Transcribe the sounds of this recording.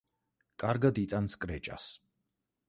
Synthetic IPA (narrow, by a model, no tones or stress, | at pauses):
kʼaɾɡad̪it̪ʼanskʼɾɛt͡ʃʼa̰s